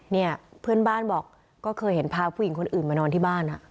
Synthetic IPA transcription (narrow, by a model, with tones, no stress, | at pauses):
ni˥˩ɐpʰɯ˥˩ənbaː˥˩nbɔː˨˩k̚ː | ɔː˥˩kʰɤː˧jɦe˩˦npʰaː˧pʰu˧˥˩ji˩˦ŋkʰo˧nʔɯː˨˩nmaː˧nɔː˧nt̪ʰiː˥˩baː˥˩nʔa˨˩ʔ